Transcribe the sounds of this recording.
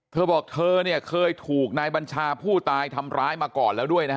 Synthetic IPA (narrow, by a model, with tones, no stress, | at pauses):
t̪ʰɤː˧bɔː˨˩k̚t̪ʰɤː˧ni˥˩ɐkʰɤː˧jt̪ʰuː˨˩k̚naː˧jba˧nt͡ɕʰaː˧pʰuː˥˩t̪aː˧jt̪ʰa˧mɾaː˦˥jmaː˧kɔː˨˩nlɛː˦˥wdu˥˩əjna˦˥k